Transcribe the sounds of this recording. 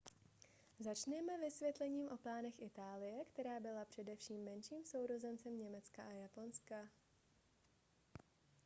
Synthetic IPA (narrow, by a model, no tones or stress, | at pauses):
zat͡ʃnɛmɛvɪsvjɛt̪lɛɲiːmʔo̞plaːnɛxʔɪt̪aːlɪjɛkt̪ɛɾaːbɪlapr̝̥ɛdɛfʃiːmːɛnʃiːmsowɾo̞zɛnt͡sɛmɲɛmɛt͡skaʔajapo̞nska